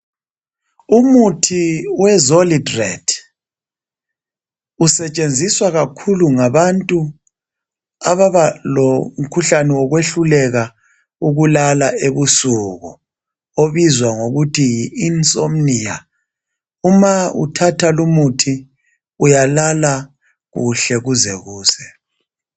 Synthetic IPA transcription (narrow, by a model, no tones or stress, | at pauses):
umutʰiwɛzolidrɛ̰dʰ | usɛt͡ʃʼend͡zʱiswaɣakʰuluŋaβantʼu | aβaβalom̩kʰuɬanɛwɔɣweɬulɛɣa | uɣulalaeβusuɣu | oβizwaŋoɣutʰijiːnsʼom̩nija | umaṵtʰatʰalumutʰi | ujalala | ɣuɬɛɣuzɛɣuːsɛ